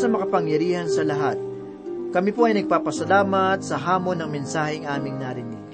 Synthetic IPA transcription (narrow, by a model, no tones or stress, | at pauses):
sɐmɐkɐpɐŋjɐɾiːhɐnsɐlɐɦat̪̚ | kɐmipoʔɐjnɐɡ̚paːpɐsɐlaːmɐt̪̚sɐɦaːmo̞nːɐŋmɛnsaːhɛɐŋʔaːmɪŋnaɾɪnɪ̰ɡ̥̚